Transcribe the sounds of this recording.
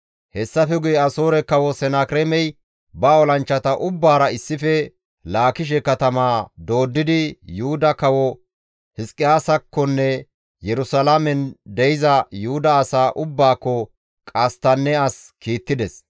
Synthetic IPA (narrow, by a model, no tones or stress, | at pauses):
hɛsːɐfɛɡʊjɛɐso̞ːɾɛkɐwɔsɛnakɾemɛj | bɐɔlɐnt͡ʃːɐt̪ɐʔʊbːaːɾɐɪsːɪfɛ | laːkɪʃ̬ɛkɐt̪ɐmaːd̪o̞ːd̪ːɪd̪ɪjuʊd̪ɐkɐwɔ | hɪskʼːɪjaːsɐkːɔnːɛ | jɛɾʊsɐlamɛnd̪ɛjɪzɐjʊhʊd̪ɐːsaːʔʊbːaːkːɔ | kʼɐst̪ɐnːɛɐskiːt̪ːɪd̪ɛs